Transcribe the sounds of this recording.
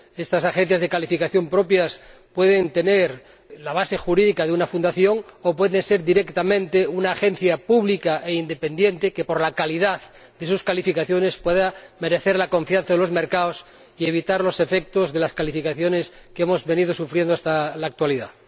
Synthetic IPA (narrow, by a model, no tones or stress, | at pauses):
e̞st̪asaxe̞n̟θjazðekalifikaθjo̞mpɾo̞pjaspwe̞ðe̞nt̪e̞neɾ | laβ̞ase̞xuɾiðikaðeunafund̪aθjo̞ŋopwe̞ðense̞ɾðiɾe̞kt̪amẽnt̪eunaːxẽ̞n̟θjapuβlikaʔe̞ind̪e̞pe̞nd̪je̞nt̪ekepo̞ɾlakaliðað | d̪e̞suskalifikaθjo̞ne̞spweðame̞ɾe̞θeɾlako̞ɱfjan̟θaðelo̞zme̞ɾkaos | ie̞β̞it̪aɾlo̞se̞fe̞k̚t̪o̞zðe̞laskalifikaθjo̞ne̞skeemo̞zβe̞nið̞o̞sufɾje̞nd̪oast̪alaːk̚t̪waliða̰